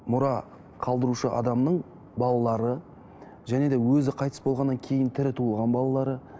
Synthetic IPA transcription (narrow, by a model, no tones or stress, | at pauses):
mʊɾɑ | qʰɑlˠd̪əɾuʃəʔɑ̰d̪ɑmnəɴ | bɑlˠɑlˠɑɾə | ʒæne̞d̪e̞wɵzɪqʰɑjt̪ə̥sbo̞lˠʁɑnːɑŋkʲʰe̞jɪnt̪ʰɪɾɪt̪ʰuəlˠʁɑnbɑlˠɑlˠɑɾə